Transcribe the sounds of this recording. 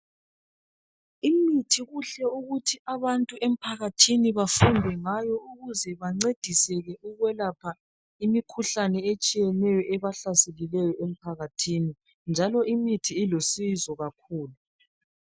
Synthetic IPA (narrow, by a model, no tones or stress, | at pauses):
imitʰiɣuɬɛuɣutʰiʔaβantʼuʔem̩pʰaɣatʰiniβafundʱɛŋajɔuɣuzɛβaŋ͡ǀed̥ʱisɛɣɛuɣwɛlapʰa | imikʰuɬanɛet͡ʃʼijɛnɛjɔʔɛβaɬaselilɛjɔʔem̩pʰaɣatʰini | nd͡ʒʱalɔʔimitʰiːlosizɔɣakʰuːlu